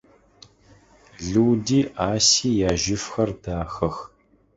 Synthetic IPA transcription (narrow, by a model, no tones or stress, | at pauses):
ɮɨwdiːʔaːsiːjaːʒɪfxɐrdaːxɐx